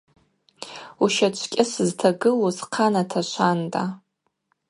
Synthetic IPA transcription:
uʃat͡ʃʷʰkʲʼɪsɨztʰaɡɨlozqʰanatʰaʃʷʰantʼa

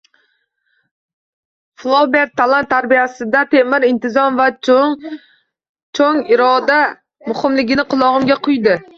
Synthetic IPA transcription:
flˠobeɾt̪ʰːalˠant̪ʰːaɾbijasɪd̪at̪ʰemɪɾɪnt̪ʰɪzɒnva | t͡ʃʰoŋɪɾɒd̪a | mʊhɪmlɪɡʲɪnɪqʰʊlˠɒʁɨmɡʲaqʰʊjd̪ɪ

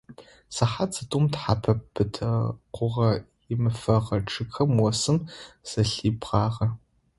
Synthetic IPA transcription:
sɐħat͡sʰʼɐtʼumtħa̰pʰɐpʰːɨtʰɐqʷʊʁɐ | ɪmɨfɐʁɐʈ͡ʂʰʼɨkʰɐmwɔsɨmz̥ɐɬiːbʁɑːʁɐ

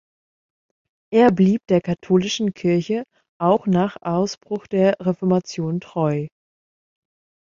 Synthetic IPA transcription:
ʔeːɐbliːp̚d̥eːɐkʰatʰoːlɪʃn̩kʰɪɐçə | ʔaʊxnaːχʔaʊsb̥ʁ̥ʊxd̥eːɐʁefɔɐmat͡sjoːntʁ̥ɔʏ

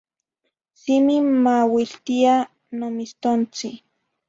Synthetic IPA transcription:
simimawilt̪ia | nomist̪ont͡si

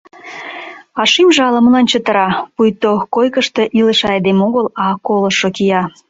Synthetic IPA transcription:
ɑʃimʒɑlə̆məlɑnt͡ɕət̪ə̆ɾɑpujt̪okojkə̆ʃt̪ĕʔilə̆ʃɑjd̪emoɣəlɑkolŏʃokijɑ

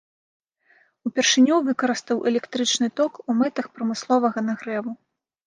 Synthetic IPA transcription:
upʲɛrʂɨnʲuvɨkɐɾɨst̪ɐwʔɛlʲɛkt̪ɾɨt͡ʂnɨt̪ɔkumɛt̪ɐxpɾɐmɨslˠɔvɐɣɐnɐɣɾɛvu

